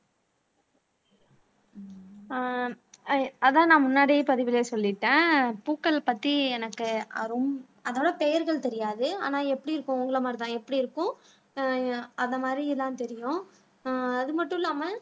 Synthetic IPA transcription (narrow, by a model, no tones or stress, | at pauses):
ɐðãːnãːmʊnːaːɽipɐðɪʋɪleːsɔlːɪʈːẽːpuːkːɐɭpɐt̪ːiɛnɐkːɯɐ̰ɾɯm | ɐðɐʋɯɽɐpɛjɐɾɣɐɭt̪ɛɾɪjaːðɯa̰ːnaːɛpːɐɽiɪɾɯkːʊ̃ʊŋɡɐɭɐmaːɾit̪ãːɛpːɐɽiɪɾɯkːʊ̃ | ɐðɐmaːd̪ɾiɪlːãːnt̪ɛɾɪjʊ̃ː | ðɯmɐʈːʊ̃ɪlːaːmɐ